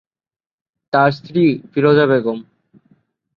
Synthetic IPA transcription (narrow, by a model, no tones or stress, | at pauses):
t̪aɾst̪ɾifiɾod͡ʑaβeɡom